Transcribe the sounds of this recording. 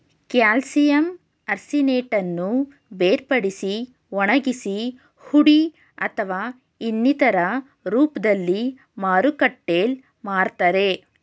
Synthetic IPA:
kjaːlsijɐm | ɐɾsineːʈɐnːu | beːɾpɐɽisi | ʋɔɳɐɡisi | huɽi | ɐt̪ʰɐʋaː | inːit̪ɐɾɐ | ɾuːpd̪ɐlːi | maːɾukɐʈːeːl | maːɾt̪ɐɾe̞

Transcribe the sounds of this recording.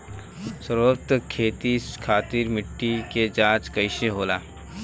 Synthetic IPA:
səɾoːt̪kʰeːt̪iskʰaːt̪iːɾmɪʈːiked͡ʒãːt͡ʃkɐɪʃeɦoːla̰ː

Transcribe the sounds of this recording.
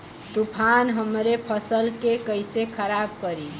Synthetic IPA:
t̪upʰanɦəmɾepʰəsəlkekəjsekʰəɾab̚kəɾi

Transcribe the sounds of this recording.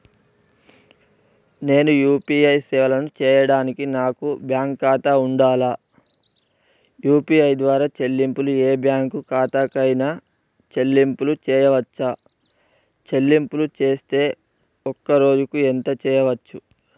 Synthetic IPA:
ne̞ːnujuːpiɐjsɛːʋɐlɐnut͡ʃɛːjɐɽaːnikinaːkubjaːŋkːaːt̪auɳɖaːlaː | juːpiːɐjd̪ʋaːɾaːt͡ʃe̞lːimpulueːbjaːŋkukaːt̪aːkɐjna | t͡ʃe̞lːimpulut͡ʃɛːjɐʋɐt͡ʃːaː | t͡ʃe̞lːimpulut͡ʃe̞ːst̪e̞ː | ɔkːɐɾo̞ːd͡ʒukuent̪ɐt͡ʃɛːjɐʋɐt͡ʃːu

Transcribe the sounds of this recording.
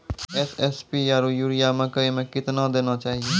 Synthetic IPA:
ɛːsɛːspiːjaːɾoːjuːɾijaːmẽkəimẽkɪt̪naːd̪eːnaːt͡ʃaːɦieː

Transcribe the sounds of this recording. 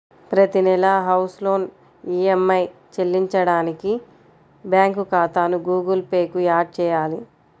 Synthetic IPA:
pɾɐt̪inɛlɐɦɐwslo̞ːn | iːemːɐjt͡ʃelːiɲt͡ʃɐɽaːniki | bjaːŋkukaːt̪aːnuɡuːɡɐlpeːkuaːɖ̚t͡ʃɛːjaːli

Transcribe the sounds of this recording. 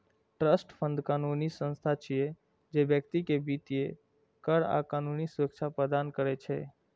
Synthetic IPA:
ʈɾəsʈpʰə̃nd̪kanunisə̃nst̪ʰat͡ʃʰije | d͡ʒebjək̚t̪ikebit̪ije | kəɾa̰kaːnunisʊɾək̚t͡ʃʰapɾəd̪ankəɾɛt͡ʃʰɛ̰

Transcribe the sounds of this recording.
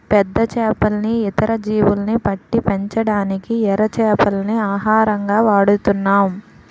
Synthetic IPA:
pɛd̪ːɐt͡ʃɛːpɐlniːt̪ɐɾɐd͡ʒiːʋulɐnipɐʈːipeɲt͡ʃɐɽaːnikiɛɾɐt͡ʃɛːpɐlniaːɦaːɾɐŋɡaːʋaːɽut̪unːaːm

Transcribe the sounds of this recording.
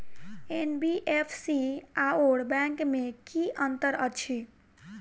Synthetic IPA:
enbiʔepʰsiaoɽbɛ̃ŋkmekiʔənt̪əɾət͡ʃʰi

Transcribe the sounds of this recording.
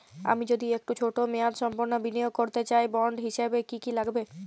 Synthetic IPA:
a̰mid͡ʑod̪iek̚ʈut͡ɕʰoʈomead̪ʃɔmpoɾnobinijoɡ̚koɾt̪et͡ɕajbɔɳɖɦiʃebekikilaɡbe

